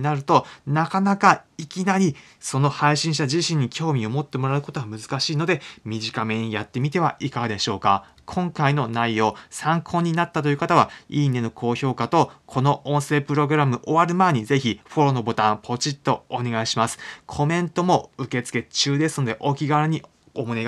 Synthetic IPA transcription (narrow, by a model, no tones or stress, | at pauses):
naɾɯ̟t̪o̞nakanakaikʲinaɾʲi | so̞no̞haiɕĩɰ̃ɕ̬t̪aʑiɕĩɲ̟ːikʲo̞ːmʲio̞mo̞t̪ːe̞mo̞ɾaɯ̟ko̞t̪o̞ɡamɯ̟zɨ̥kaɕiːno̞d̪e̞mʲiʑikame̞ɲ̟ijat̪ːe̞mʲit̪e̞βaʔikaɡad̪e̞ɕo̞ːka̰ | kʰõ̞ŋkaino̞naijo̞ːsãŋkʰo̞ːɲ̟ːinat̪ːat̪ojɯ̟kat̪aβaiːnːe̞no̞kʰo̞ːço̞ːkat̪o̞kʰo̞no̞õɰ̃se̞ːpɯ̟ɾo̞ɡɯ̟ɾamɯ̟ʔoβaɾɯ̟mae̞ɲ̟ize̞çiɸo̞ɾo̞no̞bo̞t̪ãmpʰo̞t͡ɕit̪ːo̞ːne̞ɡaiɕimasɨ̥kʰo̞mẽ̞nt̪o̞mo̞ɯ̟ke̞t͡sɨ̥ke̞t͡ɕɨːd̪e̞sɨ̥no̞d̪e̞ʔo̞kʲiɡaβaɾɯ̟ɲ̟i | omo̞ne